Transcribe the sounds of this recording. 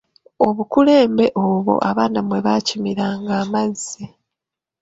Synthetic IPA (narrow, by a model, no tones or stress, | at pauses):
o̞βukule̞ːmbe̞ʔoβo̰ʔaβaːnamwe̞βaːcimiɾaːŋɡaːmazːi